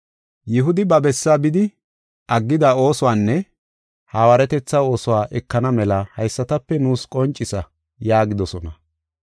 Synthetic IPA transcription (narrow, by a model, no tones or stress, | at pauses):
jɪɦʊd̪ɪbɐbɛsːaːbɪd̪ɪ | ʔɐɡːɪd̪ɐo̞ːsʊwaːnːɛ | haːwɐɾɛt̪ɛt͡sːɐo̞ːsʊwaːʔɛkːɐnɐmɛlɐhɐjsːɐt̪ɐpːɛnuːskʼɔnt͡ʃʼːɪsɐ | jaːɡɪd̪ɔsɔnɐ